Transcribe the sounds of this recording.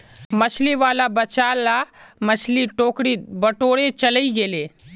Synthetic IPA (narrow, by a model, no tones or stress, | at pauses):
mət͡ʃʰliʋaːlabət͡ʃaːlːamət͡ʃʰliʈoːkɽibəʈoːɽet͡ʃələiɡeleː